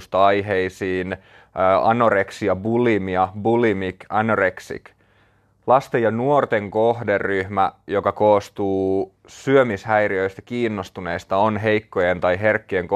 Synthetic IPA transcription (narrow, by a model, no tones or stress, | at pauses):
st̪ɑɑjɦeisiːnː | ɑ̰noreksiɑbulimiɑbulimikɑnoreksḭk | lɑst̪ejɑnuort̪e̞ŋkohderːyhmæjokɑkoːst̪uː | syømishæjriø̞ist̪æ̥kiːnːost̪une̞ist̪ɑonɦe̞jkːo̞jent̪ɑjɦe̞rkːieŋk